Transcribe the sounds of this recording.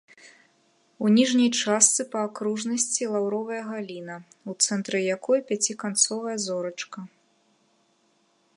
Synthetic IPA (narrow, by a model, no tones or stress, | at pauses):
unʲiʐnʲɐjt͡ʂast̪sɨpɐːkɾuʐnɐsʲt͡sʲilˠawɾɔvɐjɐɣalʲinɐ | ut̪sɛnt̪ɾɨjakɔjpʲat͡sʲikant̪sɔvɐjɐzɔɾɐt͡ʂkɐ